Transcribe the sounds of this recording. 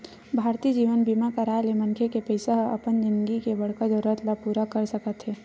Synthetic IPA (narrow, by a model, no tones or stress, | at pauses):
bʱaːɾt̪iːd͡ʒiːʋənbimakəɾaːelemɐ̃nkʰekepəɪsaɦɐ̰pənd͡ʒɪ̃nd̪ɡikebɐɽkəd̪ɔɾət̪lapuːɾakəɾsəkət̪ɦɛː